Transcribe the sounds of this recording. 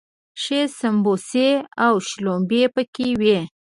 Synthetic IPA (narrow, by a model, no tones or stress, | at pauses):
ʃesamboseawʃlombepəkewe